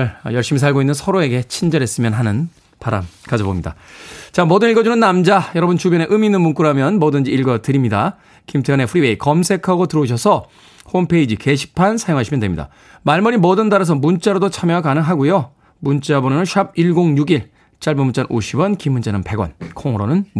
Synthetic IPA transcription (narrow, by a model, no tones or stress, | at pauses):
ɭjʌɭɕ͈imis̬ʰaɭɡoinːɯnsʰʌɾoe̞ɡe̞t͡ɕʰind͡ʑʌɾɦe̞s͈ɯmjʌnɦanɯn | paɾa̰mkad͡ʑobomɲida̰t͡ɕamodɯniɭɡʌd͡ʑunɯnːamd͡ʑajʌɾʌbɯnt͡ɕubjʌne̞ʔɯminːɯnmunk͈uɾɦamjʌnmʌdɯnd͡ʑiiɭɡʌtɯɾimɲida̰ | kimtʰene̞ɸuɾiweikʌmsʰe̞kʰaɡotɯɾʌuɕʰʌsʰʌ | hompʰe̞id͡ʑike̞ɕʰi̥pʰansʰajoŋɦaɕʰimʌndemɲida̰ | maɭmʌɾimʌdɯndaɾas̬ʰʌmunt͡ɕ͈aɾodot͡ɕʰamjakanɯŋɦaɡujo | munt͡ɕ͈abonʌnɯnɕʰab̚iɭɡoŋjuɡiɭ | t͡ɕ͈aɭbɯmunt͡ɕ͈anʔoɕʰibwʌnkimːunt͡ɕenɯnpe̞ɡwʌ̰nkʰoŋʌɾonɯn